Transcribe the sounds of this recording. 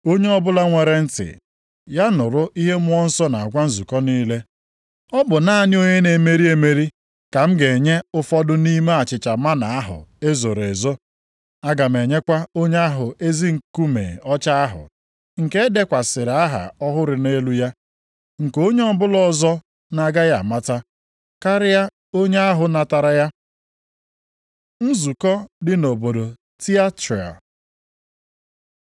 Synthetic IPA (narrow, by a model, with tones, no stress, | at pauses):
o˦ɲe˦ɔ˦bʊ˦la˦ŋʷe˨ɾe˨n̩˦tɪ̰˨ | ja˦nʊ˨ɾʊ˦ʔi˦ɦe˦m˦ɔ˦n̩˦sɔ˦na˨a˨ɡʷa˦n̩˦zu˨kɔ˦niː˦le˦ | ɔ˦bʊ˨na˦a˨nɪ˦o˦ɲe˦ne˨me˦ɾi˦e˨me˦ɾi˦ | ka˨m̩˦ɡe˨ɲe˦ʊ˦fɔ˦dʊ˦ni˦me˦a˨t͡ʃɪ˨t͡ʃa˨ma˦na˨a˦ɦʊ̰˨e˦zo˨ɾe˨zo˦ | a˦ɡa˨m̩e˨ɲe˦kʷa˦o˦ɲe˦a˦ɦʊ˨e˦zi˦ŋ̩˨ku˦mḛ˨ɔ˦t͡ʃa˦a˦ɦʊ̰˨ | ŋ̩˨ke˦de˦kʷa˨sɪ˨ɾa˦ɦa̰˨ɔ˦ɦʊ˦ɾɪ˨ne˦lu˦ja˦ | ŋ̩˨ko˦ɲe˦ɔ˦bʊ˦lɔ˦zɔ˦ | na˨ɡa˦ja˨ma˦ta˦ | ka˦ɾɪ˦ja˦ | o˦ɲe˦a˦ɦʊ˨na˨ta˨ɾa˦ja˦ | n̩˦zu˨kɔ˦dɪ˦no˨bo˨do˨ | ti˦a˦ti˨a̰˨